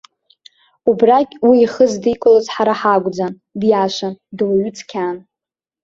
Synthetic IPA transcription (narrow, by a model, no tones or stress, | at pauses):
ubrakʲʼwiːχəzdikʷʼʊlazħaɾaħaɡʷʼd͡zan | djaʃʷandwaɥʏt͡sʰkʲʰan